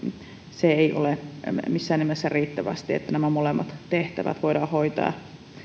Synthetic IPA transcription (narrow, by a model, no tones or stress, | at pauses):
seeiʔo̰lemisːæːnːimesːæriːt̪ːæʋæ̰st̪iḛt̪ːænæmæmolemːɑt̪t̪eht̪æʋæ̰t̪ʋoiɾɑːhoit̪ɑ̰ː